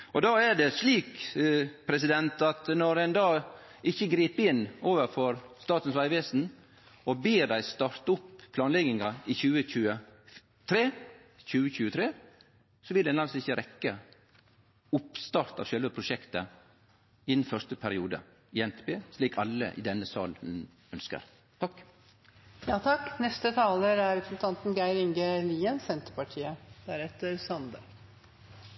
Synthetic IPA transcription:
ʔɔd̪ɑːæɖɛsliːk | pʰɾɛsɪd̪ɛnt̪ɑt̪nɔɾɛnd̪ɑː | ɪçəɡɾiːpɪnːoːʋəɾfɔɾst̪ɑːt̪ən̩sʋæɪʋeːsn̩ | ɔbeːɖ̪æɪst̪ɑɾt̪ʊpːpʰlɑːnlɛɡɪŋɑɪçʉːəçʉːə | t̪ʰɾeː | çʉːəçʉːət̪ʰɾeː | sɔʋɪld̪ɛnɑlsɪçəɾɛkːə | ʊpst̪ɑɾt̪ɑ̰ʋʃœlʋəpʰɾʊʃɛkt̪ə | ɪnn̩fœʂt̪əpʰæɾɪuːd̪ə̰ | ɪɛnt̪ɛpeːsliːkʰɑlːə̰ʔɪ̰d̪ɛnːəsɑ̰ːln̩ | œnskə̰ɾ | t̪ʰɑkː | jɑːt̪ʰɑkːnɛst̪ət̪ʰɑːləɾæɾɛpʰɾsnt̪ʰɑnt̪n̩ɡæɪɾɪŋɡəliːənsɛnt̪əɾpɑʈʰiːəd̪̥æɾɛt̪əɾsɑnd̪ə

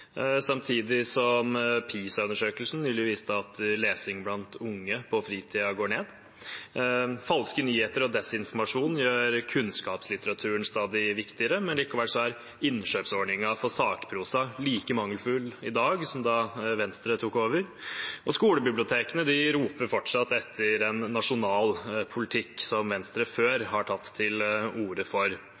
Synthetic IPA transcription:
sɑmt̪ʰiːd̪ɪsɔmpʰiːsɑʉnəʂøːkəlsn̩nyːlɪʋiːst̪əɑt̪leːsɪŋblɑnt̪ʊŋːəpʰɔfɾiːt̪ʰiːɑɡoːɳeːd̪ | fɑlskənyːheːt̪əɾɔd̪ɛsɪnfɔɾmɑʂuːnn̩jøːɾkʰʉnskɑːpslɪt̪əɾɑt̪ʰʉːəɳst̪ɑːd̪ɪʋɪkt̪ɪəɾəmɛnliːkɔʋælʂɔæɾ | ɪnʂøːpsɔɖɳɪŋɑfɔsɑːkpʰɾuːsɑliːkəmɑŋːəlfʉːlɪd̪ɑːɡsɔmd̪ɑʋɛnst̪ɾət̪ʰuːkoːʋəɾɔskuːləbɪblʊt̪ʰeːkənəd̪ɪɾuːpəɾfɔʈʂɑt̪ːɛt̪ʰːəɾɛnːɑʂʊnɑːlpʰʊlɪt̪ʰɪkːsɔmʋɛnst̪ɾəføːɾhɑʈʰɑt̪ʰːɪluːɾəfɔɾ

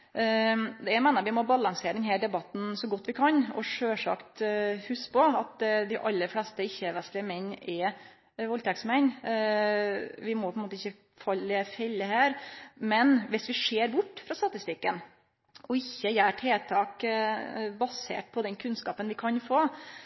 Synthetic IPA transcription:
d̪ɛæmæːnəɾʋɪmɔbɑlɑŋseːɾəd̪ɛnɦæːɖɛbɑt̪ːn̩sɔɡɔt̪ːʋɪkʰɑnɔ̰ʂøːʂɑ̰kt̪hʉspʰɔɑt̪d̪ɪʔɑlːəɾflɛst̪əɪçːəʋɛslɪəmɛnːɛ | ʋɔlt̪ɛksmɛn | ʋɪmɔpʰɔɛnmoːt̪əɪçːə | fɑlːəfɛlːəɦæːɾmɛnʋɪsʋɪʂeːɾbʊʈːfɾɑst̪ɑt̪ɪst̪ɪkːən | ʔɔɪçːəjæːʈʰeːt̪ʰɑːk | bɑsḛːʈ̚pʰɔd̪ɛnkʰʉnskɑːpənʋɪkʰɑnfoː

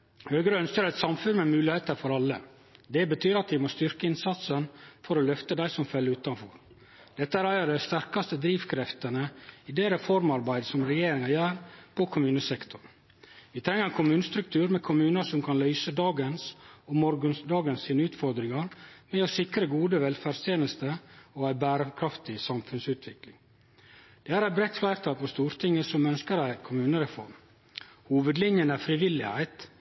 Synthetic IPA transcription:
høːɡəɾəœnskəɾæɪt̪sɑmfʉnmɛmʉːlɪheːt̪əɾfɔɾɑlːə | d̪ɛbət̪ʰyːɾɑt̪ʋɪmost̪ʏɾkəɪnsɑt̪sənfɔɾɔlœft̪əd̪æɪsɔmfœlːəʉːt̪ɑnfɔ̰ɾ | d̪̥ɛt̪ːəæːɾæɪəd̪æɪst̪æɾkɑst̪əd̪ɾiːʋkʰɾɛft̪ənəɪd̪eːɾɛfɔɾmɑɾbæɪd̪əsɔmɾɛjeːɾɪŋɑjæːɾpʰɔkʰʊmʉːnəsɛkt̪ʰʊɾ | ʋɪt̪ʰɾɛŋːəɾɛnkʰʊmʉːnəst̪ɾʉk̚t̪ʰʉːɾmɛkʰʊmʉːnəʂɔmkʰɑnlœʏsəd̪ɑːɡənsɔmɔɾɡənsd̪ɑːɡənssiːnəʉːt̪fɔɾd̪ɾɪŋɑɾmɛɔsɪkɾəɡuːd̪əʋɛlfæɖst̪ʰeːnəst̪əoæɪbæːɾəkʰɾɑft̪ɪsɑmfʉnsʉːt̪ʰʋɪklɪŋ | d̪̥ɛːæːɾæɪt̪̚bɾɛt̪flæɪɾt̪ʰɑːlpʰɔst̪uːɾt̪ʰɪŋːəsɔmœnskəɾæɪkʰʊmʉːnəɾɛfɔ̰ɾm | huːʋəd̪lɪnjənæfɾɪʋɪlːɪhæ̰ɪt̪

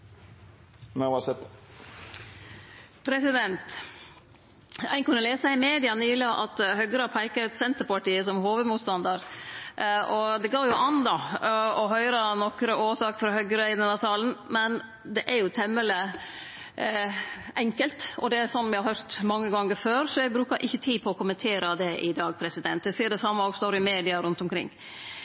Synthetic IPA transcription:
naɑsɛt̪ | pʰɾɛsɪd̪ɛnt̪ | æ̰ɪnkʉnːəleːsɑɪmeːd̪ɪɑnyːlɪʔɑt̪hœɡəɾɑpʰæɪkɑʉt̪sɛnt̪əɾpɑʈiːəsɔmhoːʋəd̪muːt̪st̪ɑnd̪ɑɾ | ʔɔd̪ɛɡɑːɾjʊʔɑnd̪ɑɔɦœʏɾɑnɔkɾəoːʂɑːkfɾɑhœɡəɾæɪnənɑsɑːln̩mɛn | d̪ɛʔæɾjʊt̪ʰɛmːələ | ʔɛŋkəlt̪ɔd̪ɛæɾsɔnːʋɪhɑɾhœɾt̪mɑŋːəɡɑŋːəɾføːɾsɔjɛɡbɾʉːkɑʔɪçːət̪ʰiːpʰɔɔkʊmːənt̪ʰeːɾɑd̪ɛʔɪd̪ɑːɡ̚pʰɾɛsɪd̪ɛnt̪jɛsiːəɖɛsɑmːəoːɡst̪oːɾɪmeːd̪ɪɑɾʉnt̪ʊmkʰɾɪ̰ŋː

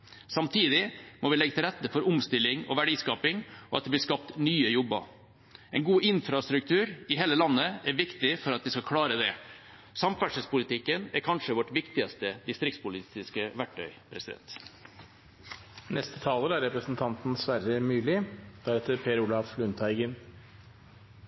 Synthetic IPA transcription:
sɑmt̪ʰiːd̪ɪmɔʋɪlɛɡət̪ɪlɾɛt̪ːəfɔɾʊmst̪ɪlːɪŋɔ̰ʋæɖiːskɑːpɪŋɔɑt̪d̪ɛblɪskɑp̚t̪nyːəjɔbə̰ | ɛɪnɡuːʔɪnfɾɑst̪ɾʉk̚t̪ʰʉːɾɪɦeːləlɑnːəæɾʋɪkt̪ɪfɔɾɑt̪̚d̪ɪskɑkʰɽɑːɾəd̪ɛ | sɑmfæʂəlspʊlɪt̪ʰɪkːənæɾkʰɑnʂəʋɔʈʋɪkt̪ɪɑst̪əd̪ɪst̪ɾɪkt̪spʊlɪst̪ɪskəʋæʈːœ̰ʏpʰɾɛsɪd̪ɛ̰nt̪ | nɛst̪ə̥t̪ʰɑːləɾæɾɛpɾəsn̩t̪ʰɑnt̪n̩sʋæɾəmʉːlɪd̪̥æɾɛt̪əɾpʰeːɾuːlɑflʉnt̪ʰæɪɡən

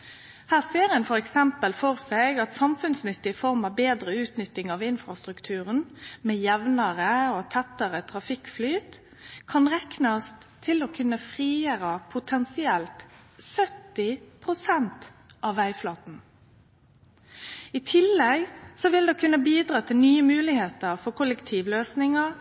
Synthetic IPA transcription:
hæːʁseːʁɛnfɔʁɛksɛmpəlfɔʁsɛɪɡɑt̪sɑmfʉnsnʏt̪ːɪfɔʁmɑʋbeːd̪ʁəʉːt̪nʏt̪ːɪŋɑʋɪnfɾɑst̪ʁʉkt̪ʰʉːʁənmeːjɛʋnəʁəot̪ʰɛt̪ːəʁət̪ʰʁɑfɪkflyːt̪ | kʰɑnʁɛknɑst̪ʰːɪlokʰʉnːəfʁiːəɾɑpʰʊt̪ʰɛnsɪɛlt̪sœt̪ːɪpʰɾʊsɛnt̪ʔɑʋːæɪflɑːt̪n̩ | it̪ʰɪlːɛɡsɔʋɪld̪ɛkʰʉnːəbiːd̪ɾɑːt̪ʰɪlnyːəmʉːlɪheːt̪əɾfɔɾkʰʊlɛkt̪ʰiːʋløːsnɪŋə

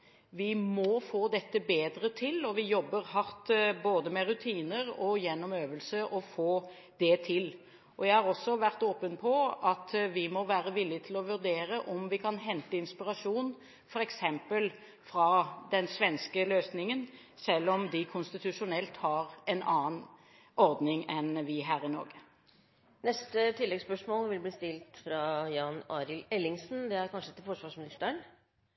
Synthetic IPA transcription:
ʋɪmɔfoːd̪ɛt̪ːəbeːd̪ɾət̪ʰɪlɔʋɪjɔbːəɾhɑɾt̪boːd̪əmɛɾʉt̪ʰiːnəɾɔjɛnːɔmøːʋəlsəʔɔfoː | d̪̥ɛt̪ʰɪl | ʔɔjæɪhɑɾɔsːɔʋæɾt̪oːpənpʰɔʔɑt̪ʋɪmɔʋæːɾəʋɪlːɪt̪ʰɪlɔʋʉɾd̪eːɾəʔɔmʋɪkʰɑnɦɛnt̪əɪnspɪɾɑʂuːn | fɔɾɛksɛmpəl | fɾɑd̪ɛnsʋɛnskəløːsnɪŋən | sɛlːɔmd̪ɪkʰʊnst̪ɪt̪ʉʂʊnɛlt̪hɑɾɛnɑːən | ʔɔɾd̪nɪŋɛnʋɪɦæːɾɪnɔ̰ɾɡə | nɛst̪ət̪ʰɪlːɛɡspœʂmoːlʋɪlbliːst̪ɪlt̪fɾɑjɑːnɑːɾɪlɛlːɪŋsn̩d̪ɛæɾkʰɑnʂət̪ɪlfɔʂʋɑʂmɪnɪst̪əɳ

